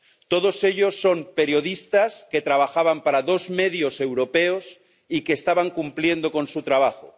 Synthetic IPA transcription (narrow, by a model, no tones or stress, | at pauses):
t̪o̞ðo̞se̞ʎo̞sːo̞mpe̞ɾjo̞ð̞ist̪aske̞t̪ɾaβ̞axaβampaɾaðo̞zmeðjo̞se̞wɾo̞peos | ikeːst̪aβaŋkumplje̞nd̪o̞ko̞nsut̪ɾaβ̞axo